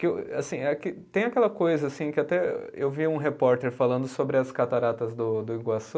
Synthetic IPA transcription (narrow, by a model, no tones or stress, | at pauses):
kɪasĩɛkɪt̪ẽj̃akɛlɐkojzɐasĩkɪat̪ɛewviũɦepɔɾt̪eɾfalɐ̃nd̪ʊsobɾɪɐskat̪aɾat̪ɐzd̪ʊd̪ʊiɡwas